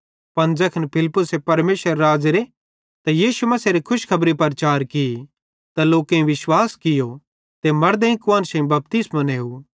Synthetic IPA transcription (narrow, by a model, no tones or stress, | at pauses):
pɐ̃nzɐkʰnpʰɪlpːʊsepɐɾmeːʃəɾːaːd͡ʒeɾe | t̪ajiːʃumɐseɾekʰʊʃkʰɐbɾipɐɾt͡ʃaːɾkɪi | t̪aloːkẽĩʋɪʃwaːskɪjo | t̪emɐɾd̪ẽĩkʋaːnsɐ̃ĩbɐp̚t̪ɪsmɐ̃neːɦuː